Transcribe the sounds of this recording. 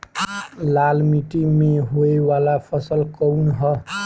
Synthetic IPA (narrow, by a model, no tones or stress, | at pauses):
lalmiʈimeɦoewalapʰʌsʌlkʌwnɦʌ